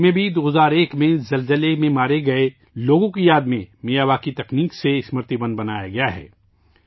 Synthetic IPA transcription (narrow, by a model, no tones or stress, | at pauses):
mẽbʱid̪oːɦzaːɾeːkmẽzɐlzəlemẽmaːɾeɡɐe | loːɡõkijaːd̪mẽmijaːβaːkit̪ɐkniːkseɪsməɾt̪ibə̃nd̪bɐnaːja̰ɡɐjaɦɛ̰ː